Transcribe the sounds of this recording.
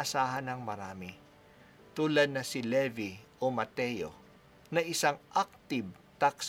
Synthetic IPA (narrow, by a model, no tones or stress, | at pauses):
ʔɐsaːɦɐnɐŋmɐɾaːmɪ | t̪uːlɐd̪̚nɐsɪlɛviʔomɐt̪ɛjo̰ | nɐʔɪsaŋʔak̚t̪ɪb̚ | t̪aks